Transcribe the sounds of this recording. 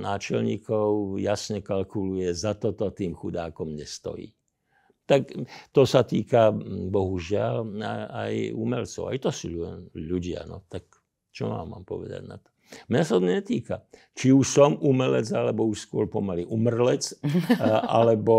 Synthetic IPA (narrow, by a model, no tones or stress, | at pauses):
naːt͡ʃɛlɲiːkɔʊjasɲɛkalkulujɛzat̪ɔt̪ɔt̪iːmxud̪aːkɔmɲɛst̪ɔ̰jḭː | t̪akt̪ɔsat̪iːkabɔɦuʒɪalaajumɛlt͡sɔ̰ʊa̰jt̪ɔsuːʎuɟɪa̰nɔ̰t̪ak | t͡ʃɔma̰ːmːa̰ːmpɔʋɛ̰d̪a̰ɟna̰t̪ɔ̥mɲasat̪ɔɲɛt̪iːka | t͡ʃiuʃsɔmumɛlɛd͡zalɛbɔuʃskʊɔɾpɔmaliʔumr̩lɛt͡s | a̰lɛbɔ